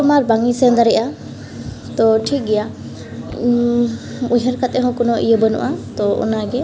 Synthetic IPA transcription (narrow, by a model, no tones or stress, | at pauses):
ɔmaɾbaŋisɛnd̪aɾɛʔa | t̪ɔʈʰik̚ɡɛja | uɦəɾkat̪ɛɦɔ̃kɔnɔʔḭjəbənṵʔat̪ɔɔ̰naɡɛ